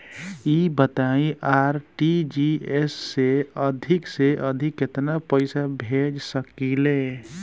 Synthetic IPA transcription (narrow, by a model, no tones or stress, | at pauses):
ibət̪aĩʔaɾʈid͡ʒiesːeəd̪ʱɪkseʔəd̪ʱɪkːet̪napəɪsabʱed͡ʒsəkile